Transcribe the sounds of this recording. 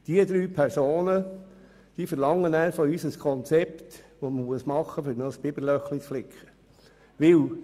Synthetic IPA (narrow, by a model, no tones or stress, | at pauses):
d̪̥iəd̪ɾyːpʰæɾsoːnə | d̥iːfəɾlɑŋːənæːɾfɔyːsəskʰɔnt͡sɛpt̪ʋɔməmuəsmɑχːəføɾnəsb̥ɪbəɾlœχlit͡sflɪkʰχə̥ | ʋɪw